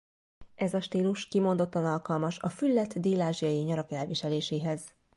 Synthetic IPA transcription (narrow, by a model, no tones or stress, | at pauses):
ʔɛzɒʃt̪iːluʃkimo̞nd̪o̞t̪ːɒnɒlkɒlmɒʃɒfylːɛt̪ːd̪iːlaːʒijɒjiɲɒɾɒkɛlviʃɛleːʃeːɦɛz̥